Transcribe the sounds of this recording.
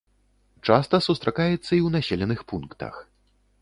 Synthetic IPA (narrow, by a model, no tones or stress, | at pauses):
t͡ʂast̪ɐsust̪ɾakajɛt̪sːɐiwnasʲelʲɛnɨxpunkt̪ɐ̰x